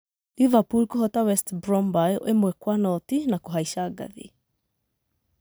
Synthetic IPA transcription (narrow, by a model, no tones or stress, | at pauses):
livapulkoɦɔtawɛstbɾɔmbajemwɛkwanɔtinakoɦaiʃaːɡa̰ðḭ